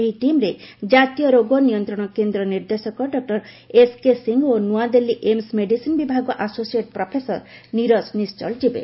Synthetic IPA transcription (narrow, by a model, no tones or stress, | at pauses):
eɦiʈimɾed͡ʒat̪ijɔɾoɡɔnijɔnt̪ɾɔɽ̃ɔkend̪ɾɔniɾd̪esɔkɔɖɔk̚ʈɔɾ | eskesiŋɡonuad̪elːiʔemsmeɖisinbibʱaɡɔʔasosieʈpɾɔpʰesɔ̰ɾniɾɔsnist͡ʃɔ̰ld͡ʒibḛ